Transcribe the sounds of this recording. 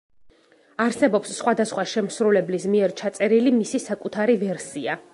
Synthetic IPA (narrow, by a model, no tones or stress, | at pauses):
aɾsɛbɔpsːχwad̪asχwaʃɛmsɾulɛblismiɛɾt͡ʃʰat̪sʼɛɾilimisisakʼut̪ʰaɾivɛɾsia